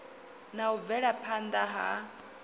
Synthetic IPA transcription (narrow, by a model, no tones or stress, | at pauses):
naub̪vɛɺapʰand̪aɦa̰